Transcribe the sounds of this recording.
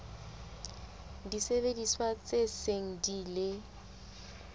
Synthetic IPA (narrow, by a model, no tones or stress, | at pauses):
disebediswat͡sʼeseŋ̩dilɪ